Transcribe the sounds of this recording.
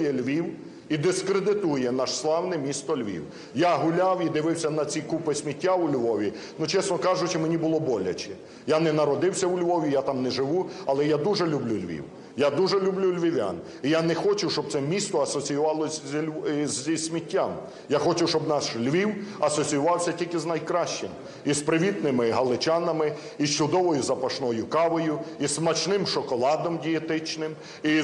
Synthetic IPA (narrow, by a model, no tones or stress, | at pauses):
jɛlʲʋʲiw | id̪ɪskɾed̪ɪt̪ujɛnɑʃslˠɑwnɪmʲist̪ɔlʲʋʲḭw | jaɦʊlʲawid̪ɪʋɪwsʲɐnɐt͡sʲikupɪsʲmʲitʲːaʊlʲʋɔʋʲi | nut͡ʃɛsnɔkɑʒʊt͡ʃɪmenʲibʊlˠɔbɔlʲɐ̰t͡ʃɛ | janɛnɐɾɔd̪ɪwsʲɐʊlʲʋɔʋʲijat̪ɑmnɛʒɪʋuɐlˠɛjad̪uʒɛlʲʊblʲulʲʋʲḭw | jad̪uʒɛlʲʊblʲulʲʋʲiʋʲa̰n | ijanɛxɔt͡ʃɪwʃt͡ʃɔb̚t̪sɛmʲist̪ɔɐsɔt͡sʲijʊʋɑlˠɔsʲzlʲzʲisʲmʲitʲːam | jaxɔt͡ʃɪwt͡ʃɔbnɑslʲʋʲiwɐsɔt͡sʲijʊʋɑwsʲɐtʲilʲkɪznɐjkɾɑʃt͡ʃɪm | ispɾɪʋʲit̪nɪmɪɦɐlˠɪt͡ʃɑnɐmɪ | ist͡ʃʊd̪ɔʋɔjʊzɐpɐʃnɔjʊkɑʋɔjʊismɐt͡ʃnɪmʃɔkɔlˠɑd̪ɔmdʲijet̪ɪt͡ʃnɪm | i